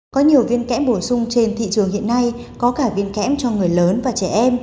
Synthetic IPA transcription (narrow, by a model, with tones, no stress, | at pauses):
kɔ˨˦ɲi˨˩əwvi˧ənkɛ̰˧˥mɓo˧˩sʊ˧ŋ͡mt͡ɕe˧nt̪ʰḭ˧˨t͡ɕɨ˨˩əŋhḭ˧˨ənːa˧jkɔ˨˦kaː˧˩vi˧ənkɛ̰˧˥mt͡ɕɔ˧ŋɨ˨˩əjləː˨˦nvaː˨˩t͡ɕɛ˧˩ʔɛ˧m